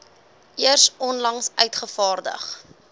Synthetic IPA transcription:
ʔiərsɔnlɐŋsœ̰ɥtχəfɑːrdə̰χ

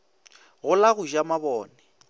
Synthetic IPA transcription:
ɣʊlaɣʊʒamabɔːnɛ

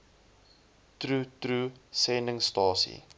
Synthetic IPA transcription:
tɾutɾusɛndəŋstɑːsḭ

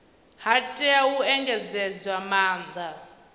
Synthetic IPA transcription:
hatʼɛauɛŋɡɛd͡zɛd͡zwamaːnd̪a

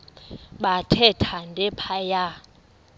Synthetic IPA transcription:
ɓatʰɛtʰandʱɛpʰaja

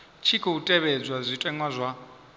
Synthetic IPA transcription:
t͡ʃʰikʰɔutʼɛβɛd͡zwazʷitʼɛŋwazʷwa

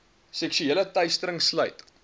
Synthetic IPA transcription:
sɛkʃyeːlətœɥstəɾəŋslœjt

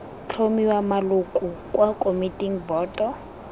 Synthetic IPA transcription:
t͡ɬʰomiwamalʊkʼukʼwakʼomitʼiŋ̩bɔːtʼɔ

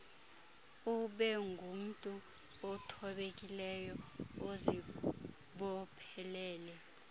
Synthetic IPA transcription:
uɓɛŋɡʱum̩tʼu | ɔtʰɔɓek̬ʼilɛjɔozi | ɓɔpʰɛlɛːlɛ

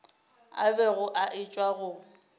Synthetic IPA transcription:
a̰bɛɣʊʔaʔɪt͡ʃʼwaɣʊ

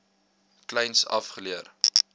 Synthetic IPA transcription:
klɛjnsɐ̰fχəliər

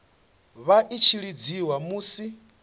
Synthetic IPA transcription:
βaʔit͡ʃʰiɺid͡ziwamuːsi

